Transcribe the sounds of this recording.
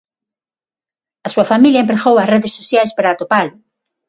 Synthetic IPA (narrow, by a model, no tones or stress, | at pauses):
asuafamiljaẽmpɾeɣowasreðesːoθjajspaɾaːt̪opalʊ